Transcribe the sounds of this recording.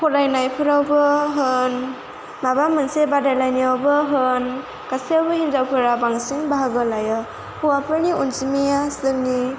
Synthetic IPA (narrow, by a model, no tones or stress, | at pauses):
kʰɔlajnajpʰɯɾawbɯɦɯn | mabamɯnsebadajlajniawbɯɦɯn | kasiawbɯhinzawkʰɯɾabaŋsiŋbaɦaɡɯlajɔ | huwapʰɯɾniʔunsimijasɯni